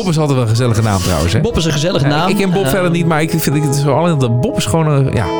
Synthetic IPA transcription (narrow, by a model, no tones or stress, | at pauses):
pɪs̬ɑlˠtɛjtʋɛlˠə̃nχəzɛlˠəχəna̰ːmtrʌ̰wə̰nsɛbopɪsə̃χəzɛləχənaːmɪkkːɛnəbɔpfɛdəɹnitmaːɹɪkɪtɪsoɑlˠənddəbɔpɪsχʋownəja̰ː